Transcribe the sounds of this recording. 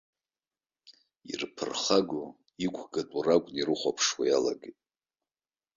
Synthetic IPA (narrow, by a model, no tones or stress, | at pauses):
ḭrpʰɨrχaɡʷu | ikʷʰɡatʷʼurakʷʼniɾɨχʷapʰʂwajala̰ɡetʼ